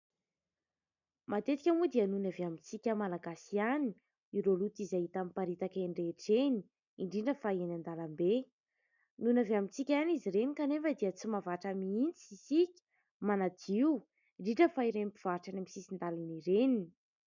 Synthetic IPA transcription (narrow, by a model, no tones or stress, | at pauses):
mʔat̪et̪i̥kʲamud̪ianunaveamit͡sikʲəmalaɡasiani̥ | iɾolut̪izaɦit̪amipaɾit̪akeɳɖ͡ʐeʈ͡ʂeni̥ | iɳɖ͡ʐiɳɖ͡ʐəfaenand̪alambe | nunaveamit͡sikʲaniziɾenikanefəd̪iət͡simavaʈ͡ʂamiint͡sisikʲə̥ | manad̪iu | iɳɖ͡ʐiɳɖ͡ʐəfaiɾenipi̥v̥aʈ͡ʂanamisisind̪aliniɾenii̥